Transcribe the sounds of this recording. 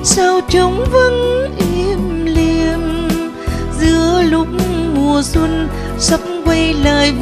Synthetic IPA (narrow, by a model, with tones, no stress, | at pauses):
saː˧wt͡ɕə˨˦wŋ͡mvə˧˥nʔi˧˦mli˧m | zɨ˧˥əlʊ˧˥k͡p̚ŋ͡mmu˨˩əswə˧n | sə˧˦˥ŋ͡m̚kwe˧jləː˨˩j